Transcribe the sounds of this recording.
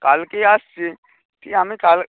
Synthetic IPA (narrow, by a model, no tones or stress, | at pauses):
kalkiasi | tʰiɦamĩkal